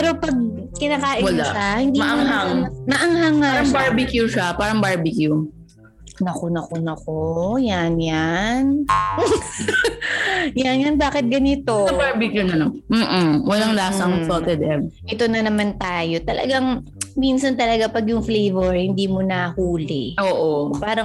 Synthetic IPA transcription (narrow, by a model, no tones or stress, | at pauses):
pɛːɾopɐɡ̚ | kɪnaːkaːʔɪwɐlaahɪnd̪imɐʔɐŋɦaŋmɐʔɐŋhaŋaɾɐŋbaɹbɪkjuʃapaːɾɐŋbaɹbɪkju | nɐkonɐkonɐkojanjan | janjɐnbaːkɪt̪̚ɡɐnɪt̪oɐbaɹbɪkjunɐnom̩ːʔ̩wɐlaŋlaːsɐŋsot̪ɛd̪ɛbʔɛt̪onɐnɐmant̪aːjo̞t̪ɐlɐ̰ɡaŋ | minsɐnt̪ɐlɐɡapɐɡjʊŋflejvɛɹhɪnd̪iːmonɐhuːlɛ̰ʔoːʔopaːɾɐŋ